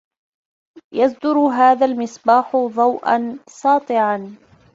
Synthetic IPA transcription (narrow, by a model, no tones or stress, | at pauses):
jasd̪ʊɾɦaːðalmɪsˤbaːħʊðˤɑwʔa̰nsˤɑːt̪ˤɨʕan